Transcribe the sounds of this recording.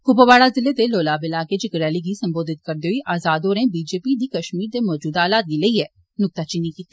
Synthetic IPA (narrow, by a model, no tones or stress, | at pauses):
kʊboʋaːɽaːzɪlːeːd̪eːloːlaːbɪlaːkeːd͡ʒɪkɾɛːliːɡiːsəmboːd̪ɪt̪̚kəɾd̪eːɦoiːʔaːzaːd̪oːɾẽːbiːd͡ʒeːpid̪iːkəʃmiːɾd̪eːmɔːd͡ʒuːd̪aːlaːt̪̚d̪iːləiːɛː | nʊk̚t̪aːt͡ʃɪnĩːkiːt̪i